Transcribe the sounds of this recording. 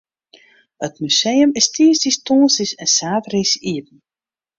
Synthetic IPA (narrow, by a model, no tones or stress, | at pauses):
ətmysejəmɪstiəsdistɔːnsisɛnsaːtrisiət̚ən̩